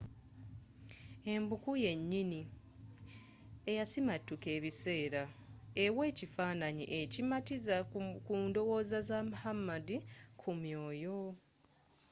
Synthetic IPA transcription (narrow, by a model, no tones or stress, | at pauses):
e̞mbukuje̞ɲːini | ejasimatːuke̞ːβise̞ːɾaewe̞ːcifaːnaɲḭʔecimatizakuːndo̞wo̞ːzazamuhamːadikʰumjo̞ːjo̞